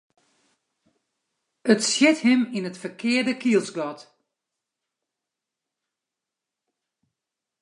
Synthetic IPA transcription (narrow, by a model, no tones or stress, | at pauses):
ətsjɪthɪminətfərkʰɪːərdəkiəlˠsɡɔt